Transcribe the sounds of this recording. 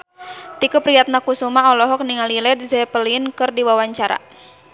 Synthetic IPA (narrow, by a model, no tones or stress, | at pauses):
t̪ikupɾijat̪̚nakusumaɔlɔɦɔk̚niŋalilɛd̪zɛpəliənkɨrdiwawaɲt͡ʃaɾa̰